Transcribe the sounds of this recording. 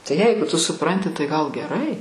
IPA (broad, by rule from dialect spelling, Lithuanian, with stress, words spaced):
tɐɪ ˈjɛɪɡʊ tʊ sʊˈprɐnʲtʲɪ tɐɪ ɡɐlˠ ɡʲɛˈrɐɪ